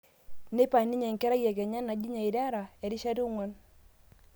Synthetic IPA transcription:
ne˦pa˨ni˦ɲɛ˨ŋkɛ˦ɾa˦jɛ˨ɡɛ˨ɲa˦na˨d͡ʒi˦ɲa˨ɪ˨da˦ɾa˨ɛ˨ɾɪ˦ʃa˦ɾi˦u˦ŋwɔ˦n

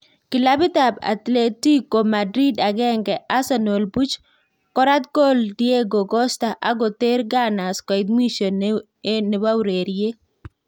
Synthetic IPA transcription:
kɪ˨la˦bɪ˦t̪a˨ba̰˨t̪le˦ti˦ko˨ma˨dɾi˦da˨ɡɛ˦ŋɡɛ˨ʔa˦sa˦no˨lbu˦t͡ʃ | kɔ˦ɾa˦t̪̚ko˦ldije˦ɡo˨ɡɔ˦sta˨ʔa˦ɡo˨t̪e˦ɾɡa˦na˨skɔ˨ɪd̪mi˦ʃo˨n | e˦ne˨wa˦wɾe˨ɾje˦

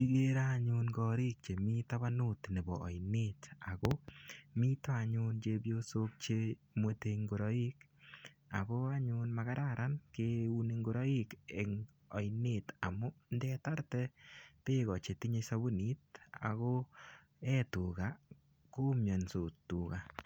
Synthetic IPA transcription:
pi˦ɡe˦ɾa˦ɲʊ˦nɡɔɾi˦k̚t͡ʃe˨mi˦ta˦βa˦nʊ˦˨tne˨bɔ̰ː˨ɪne˦ta˨ɡɔ˦mi˦ta˨ɲʊ˦nd͡ʒe˦bjo˦so˦k̚t͡ʃe˦ | mo˦te˧ŋɡo˨ɾɔ˦i˦k | a̰˨bɔ˦a˦ɲʊ˦nma˨ɡa˦ɾaɾʔa˦nke˦u˦ni˧ŋɡo˨ɾɔ˦i˦ke˨ŋ | ɔ˨jne˨ta̰˨mʊ˦ndɛ˦ta˦ɾtɛ˦pe˦ɡɔ˨t͡ʃe˨ti˦ɲe˧sa˦bu˦ni˨˦t̚a̰˨ɣɔ˦ | ɛ˦tu˨ɡa˨ | ko˦mjɔ˨nso˨tuː˨ka˨

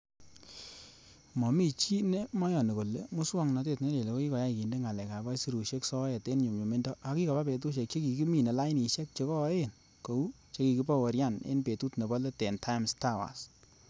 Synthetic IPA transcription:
mɔ˨mi˦t͡ʃi˦ne˦mɔ˦jɔ˨ne˨ko˨le˦mʊ˦swɔ˦ŋnɔ˨˧t̬e˦˨tne˦le˨le˨ko˦ki˦kɔ˨˦ja˦i˨ki˨nde˦ŋa˨lɛ˨ka˨ba˦jsi˦ɾu˨ʃe˦ksɔ˦jɛ˨te˦nɲʊ˨mɲo˨me˦ndɔ˦a˨˦ki˦kɔ˨ba˦pe˨t̬u˦ʃ̬e˨k̚t͡ʃe˦ki˨ki˦mi˨ne˨la˦jni˨ʃɛ˦k̚t͡ʃe˨˦kɔ˦e˦˨n | ko˨u˦ | t͡ʃe˦ki˨ki˦pa˦wɔ˨ɾja˦˨nḛ˦npe˨tu˦tne˨bɔ˦le˦tɛ˨ntʰa˦ɪ˦msta˦wa̰˨s

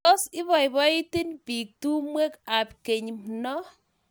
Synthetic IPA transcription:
o˦sɪ˦βɔ˨jbɔ˦i˦ti˦npi˨k̚tu˦mwe˦ka˨pke˨ɲmnɔ˦

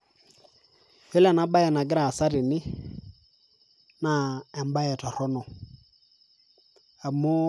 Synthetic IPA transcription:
e˦lɛ˨na˦ba˦jɛ˨na˨ɡɪ˦ɾa˨sa˦ɾɪ˨nɪ˦ | na˦˨ɛ˨m˦ba˦jɛ˨tɔ˨ɾɔ˦nɔ˨ | a˨mʊ˦

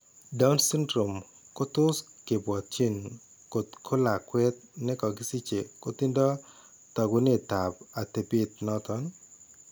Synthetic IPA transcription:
da˦u˦nsɪ˦ndɾo˨m | ko˦t̪ʊ˦ske˨bɔ˨t̚t͡ʃe˦˨n | ko˨t̪kʰo˦la˨kwɛ˦t̪̚nɛ˦kɔ˨ɡɪ˦si˦t͡ʃe˨ko˦t̪ɪ˦ndɔ˦ | tɔ˨ɡu˦nɪ˦˨t̪a˨ba˨t̪e˨pi˦t̪̚nɔ˦t̪ɔ˦n

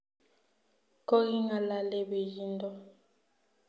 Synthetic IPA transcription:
ko˦ɣi˦ŋa˨la˦lɛ˦be˨ji˦ndɔ˦

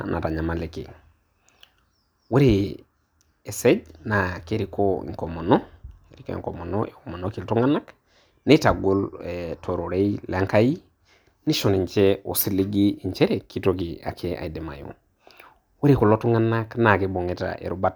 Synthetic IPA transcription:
nʔa̰˨ta˨ɲa˨ma˨le˨kḭ˨ | we˦ɾi | e˨se˦d͡ʒna˨ke˦ɾi˦koḭ˨ŋko˨mo˨no˦e˨ɾi˦ko˦ḛŋko˨mo˨no˦e˨ko˨mo˨no˦ki˨ltu˦ŋa˦na˦k | ne˦ta˨ɡo˦letʰo˨ɾo˨ɾe˦ila˦ŋka˦ji˦ | ni˦ʃo˨ni˨ɲt͡ʃe˦o˨si˦li˦ɡiː˦˨ɲt͡ʃe˦ɾe˨kːi˦to˦k̬i˨a̰˨kʰe˦a̰˨i˨de˨ma̰˨jo̰˨ | we˦ɾi˨ko˨lo˦tu˦ŋa˦na˦kna˨ke˨bo˨ŋe˦ta̰ʔḛ˨ɾu˦ba˦t

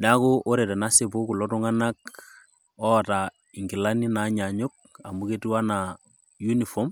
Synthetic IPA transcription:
na˦kʊ˦ʔo˦ɾe˨ta˨na˦sɪ˦bʊ˦kʊ˨lɔ˦tʊ˦ŋa˦na˦k | ɔ˦˨ta˨ | ɪ˨ŋɡɪ˨la˦ni˦na˨˦ɲa˨ɲʊ˦k̚a˨mu˦ke˦tu˦a˦na | ju˦ni˨fɔ˦m

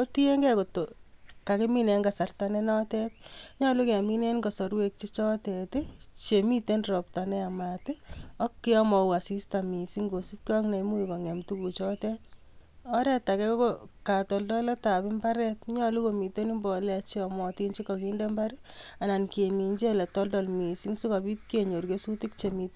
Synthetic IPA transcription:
o˦ti˦e˦ŋɡɛ˦ko˨toka˨ke˦mi˦ne˨ŋɡa˨sa˨rtanenɔ˦tɛ˦t̚ɲɔ˦luke˨a˨mi˦ne˦nko˨sɔ˨ɾwe˦k̚t͡ʃi˦t͡ʃɔ˦tɛtɪt͡ʃemi˦te˦nrɔ˨p̚ta˨nɛ˦a˨matɪɔ˦kːɪ˦ɔ˦mɔ˨wa˨si˦stami˨si˦ŋɡo˨si˦p̚kɔ˦ŋna˨imu˦i˨kɔ˨ŋɛ˨mtu˦ku˨t͡ʃɔ˦tɛ˦t̚ɔ˦ɾɛ˦ta˨kɛ˦kokoka˨tɔ˨ldɔ˦lɛ˦ta˨pɪ˦mba˦ɾɛt̚ɲɔ˦lu˦ko˨mi˨te˦ni˦mbɔ˨lɛ˧t͡ʃiɔmɔ˨ti˦nt͡ʃi˦kɔ˨kinde˦mba˦ɾɛa˨na˨nkemi˨ɲt͡ʃe˦lɛ˨tɔ˦ldɔlmi˨si˦ŋsi˦kɔ˨bi˦t̚ke˨ɲo˨ɾkesu˦tikt͡ʃemi˧t

